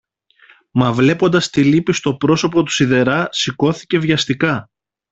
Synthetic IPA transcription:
mɐvle̞po̞nd̪ɐst̪ilipist̪o̞pɾo̞so̞po̞t̪u̥siðe̞ɾɐsiko̞θi̥ce̞vʝɐst̪ikɐ

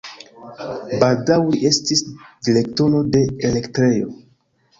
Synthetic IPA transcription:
baldawiʔe̞stisdile̞k̚to̞no̞de̞ele̞ktɾe̞jo̞̰

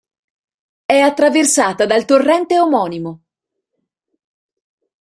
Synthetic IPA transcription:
ɛat̪ːɾaversaːt̪ad̪alt̪orːɛnt̪eomɔːnimo

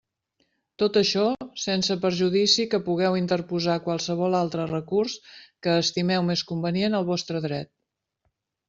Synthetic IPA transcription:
t̪ot̪əʃɔsɛnsəpəɾʒuðisikəpuɣ̞ɛwint̪əɾpuzakwalˠsəβ̞ɔlalˠt̪ɾərəkurskəːst̪imɛwmeskumbənienəlˠβɔst̪ɾəðɾɛt̪̚

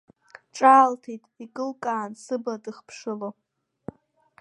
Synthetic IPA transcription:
ʈ͡ʂʼaːltʰejtʼikʼɨlkʼaːnsɨbadɨχpʰʂɨlo

